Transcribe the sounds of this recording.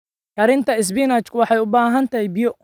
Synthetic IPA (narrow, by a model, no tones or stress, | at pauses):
kʰɐɾɪnt̪ʰɐɪs̬bɪnaːt͡ʃkʰʊwɑħɑjʊbaːɦɐnt̪ʰɐhɛjbijɔ